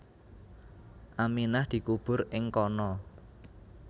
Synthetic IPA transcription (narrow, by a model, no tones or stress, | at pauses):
ʔaminahd̪̥i̤kub̥ʊ̤ɾɪŋkɔnɔ